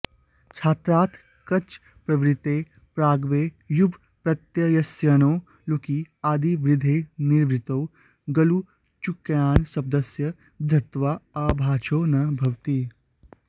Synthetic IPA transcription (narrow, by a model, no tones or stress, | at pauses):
t͡ʃʰaːt̪ɾaːt̪ʰ | kɐt͡ʃ | pɾɐʋɾɪt̪eː | pɾaːɡʋeː | jubʱ | pɾɐt̪jɐjɐsjɐnoː | lukiːaːd̪iʋɾɪd̪ʱeːniɾʋɾɪt̪ow | ɡɐlu | t͡ʃukjaːnsɐb̚d̪ɐsjɐ | d̪ʱɐt̪ʋaaːbʱaːt͡ʃʰoːnɐbʱɐʋt̪iː